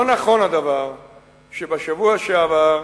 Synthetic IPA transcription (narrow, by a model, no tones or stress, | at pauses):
onaχo̞nad̪avaʁ | ʃebaʃavuaʃeavaʁ